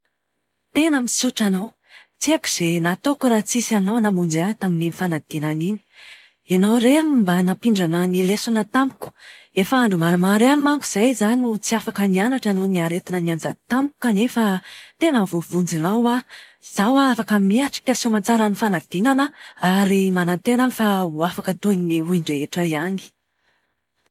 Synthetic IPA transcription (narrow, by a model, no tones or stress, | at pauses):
t̪enəmisuʈ͡ʂanaw | t͡siaki̥z̥enat̪okuɾat͡sisanawnamund͡zat̪aminiifanaɡ̪̥inanini̥ | enawreammbanapiɳɖ͡ʐanənilesanət̪ampu̥ku̥ | efaaɳɖ͡ʐumamaɾeanimaŋkuz̥ajzaniut͡siafakənianaʈ͡ʂanoniaɾet̪inəniand͡zat̪ampu̥kanefat̪enəvovund͡zinawa | z̥awaafakəmiaʈ͡ʂi̥kʲasimat͡saɾanifanaɡ̪̥inanəaɾimanant̪enanfawafakət̪onniuiɳɖ͡ʐeeʈ͡ʂaiani̥